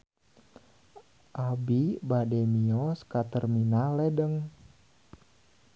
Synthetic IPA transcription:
ʔabibadɛmiɔskat̪ərminalɛdəŋ

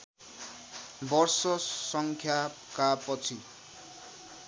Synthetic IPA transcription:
bʌrsʌsʌŋkʰja | kapʌt͡sʰi

